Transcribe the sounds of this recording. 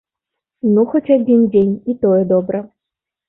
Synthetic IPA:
nuxɔt͡sʲad͡zʲind͡zʲenʲit̪ɔjɛd̪ɔbɾɐ

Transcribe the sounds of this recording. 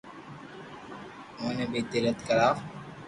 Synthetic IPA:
oːnebiːt̪ɪɾət̪kəɾaː

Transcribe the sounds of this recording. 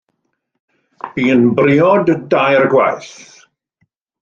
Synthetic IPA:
b̥iːənbrɪɔddajrɡwa̰jθ

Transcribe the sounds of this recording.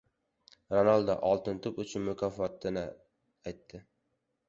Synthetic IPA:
ɾonalˠd̪a̰ʔɒlˠt̪ɪnt̪ʰʊpʊt͡ʃʰʊnmʊkʲʰafɒt̪ɪnɪ | ajt̪ːɪ

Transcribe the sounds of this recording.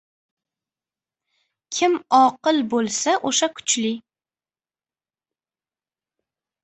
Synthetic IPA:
kʲʰɪmɒqɨlˠbolˠsaʔoʃakʰʊ̥t͡ʃlɪ

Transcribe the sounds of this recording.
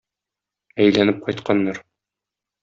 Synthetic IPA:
æjlænɘp̚qɒjt̪qɑnːɑɾ

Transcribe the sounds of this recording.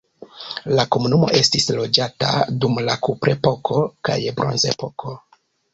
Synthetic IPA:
lako̞munumo̞̰ʔe̞stislo̞d͡ʒata̰dumlakupɾe̞po̞kʰo̞ka̰jbɾʔo̞̰nze̞po̞kʰo̞

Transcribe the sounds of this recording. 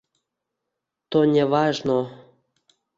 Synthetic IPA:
t̪onʲevɑʒno

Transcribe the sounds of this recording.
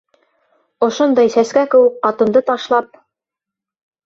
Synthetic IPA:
ŏʃond̪ɑjsæskækɘ̆wɘkqɑt̪ɤ̆nd̪ɤt̪ɑʃlˠɑp̚

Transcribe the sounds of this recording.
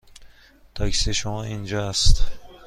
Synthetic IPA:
t̪ʰɒːkʰseʃomɒːind͡ʒɒːæst̪

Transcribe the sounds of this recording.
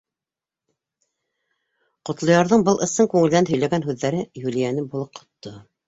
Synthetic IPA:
qŏt̪lˠŏjɑɾðɤɴbɤlˠɤ̆sɤŋkʉŋɘ̆ld̪ænɦɵ̆jlæɡænɦʉðːæɾɘjulijænɘbulˠɤp̚qʰŏ̥t̪ːo

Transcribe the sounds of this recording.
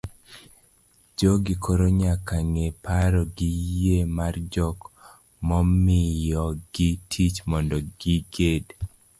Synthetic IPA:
d͡ʒɔɡɪkʰoɾoɲakaŋepaɾɔɡɪjjemard͡ʒɔk | mɔmɪjɔɡ̥ɪtʰit͡ʃmɔndɔɡɪɡed

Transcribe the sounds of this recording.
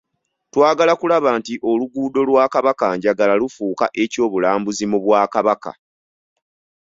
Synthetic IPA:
twaːɡalakulaβaːntiʔo̞luɡuːdo̞lwaːkaβakaɲɟaɡalalufuːka̰ʔe̞co̞ːβulaːmbuzimuβwaːkaβaka̰

